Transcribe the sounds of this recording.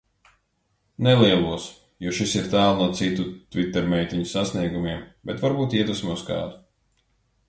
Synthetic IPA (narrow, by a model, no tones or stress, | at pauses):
nɛlˠiɛlˠuɔs | juɔʃisiɾt̪æːlˠnuɔt̪sit̪ut̪vit̪ːɛɾmʲɛjt̪ʲiɲusasniɛɡumiɛmbɛt̪vaɾbuːt̪iɛt̪usmiuskɑ̰ːd̪u̥